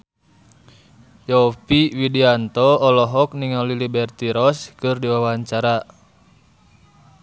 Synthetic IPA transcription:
jɔpiwidiant̪ɔɔlɔɦɔk̚niŋɔlilibɛrt̪iɾɔskɨrdiwawaɲt͡ʃaɾa

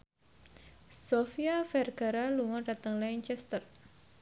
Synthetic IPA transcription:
sofiafɛrɡ̥aɾaluŋɔɖ̥at̪əŋlaɲt͡ʃɛst̪ər

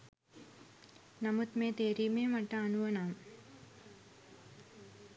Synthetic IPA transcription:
nɐmut̪meːt̪eːɾimeːmɐʈːɐːnuʋɐnaːm

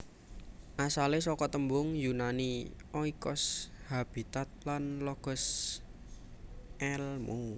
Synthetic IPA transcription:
ʔasalesɔkɔt̪əmbʊŋjunaniʔɔikɔshab̥it̪at̪̚lanlɔɡ̥ɔ̤s | ʔɛlmu

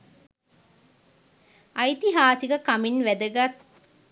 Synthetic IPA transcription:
ʔɐjt̪iɦaːsiɡəkaminʋæd̪əɡat̪

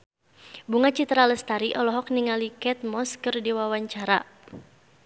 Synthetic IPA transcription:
buŋat͡ʃit̪ɾaləst̪aɾiʔɔlɔɦɔk̚niŋalikɛt̪̚mɔskərdiwawaɲt͡ʃaɾa̰

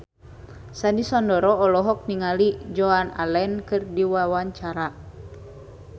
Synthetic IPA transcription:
sanisɔndɔɾɔːlɔɦɔk̚niŋalid͡ʒɔana̰lɛnkɨrdiwawaɲt͡ʃaɾa

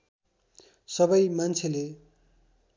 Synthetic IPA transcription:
sʌbʌjmant͡sʰele

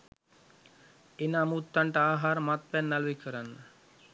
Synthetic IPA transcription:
enamut̪ːaɳʈəaːɦaːɾmat̪̚pɛnːaluʋikʰəɾanːə

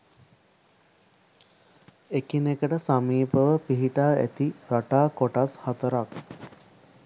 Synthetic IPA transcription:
ekinekəʈəsamiːpəʋəpiɦiʈaːæ̰t̪iɾaʈaːkoʈashat̪əɾak

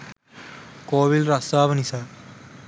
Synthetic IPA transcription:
koːʋilɾɐsaːʋɐnisaːɾ

